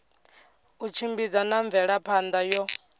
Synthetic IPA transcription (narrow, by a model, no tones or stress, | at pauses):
ut͡ʃʰimbid͡zanaɱvɛɺapʰand̪ajɔ